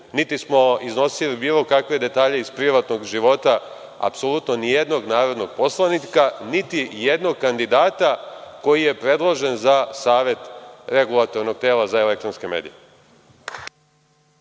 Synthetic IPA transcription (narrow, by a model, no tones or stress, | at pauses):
nit̪ismo̞izno̞silibiːlˠo̞kakʋe̞d̪e̞t̪aːʎe̞izpɾiʋat̪no̞ɡʒiʋo̞t̪a | a̰psolut̪no̞nije̞d̪no̞ɡnaːɾod̪no̞ɡ̥po̞slˠanikanit̪ijed̪noɡ̚kand̪id̪aːt̪ako̞jije̞pɾe̞d̪lˠo̞ʒe̞nzasaːʋe̞t̪ɾe̞ɡulˠat̪o̞ɾno̞ɡ̚t̪eːlˠazaele̞kt̪ɾonske̞me̞̰ːd̪ḭje